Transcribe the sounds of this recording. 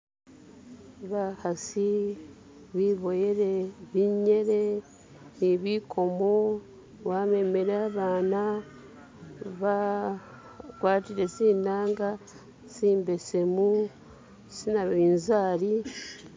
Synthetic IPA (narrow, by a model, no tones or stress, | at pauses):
βahasi | βiːβo̞jeɾe̞βiɲe̞ɾe̞ | niβikʰo̞mo | βame̞me̞ɾeaβaːna | βa | kwaːtiɾe̞siːnaːŋɡa | siːmbe̞semu | sinaβiːnzaːɾi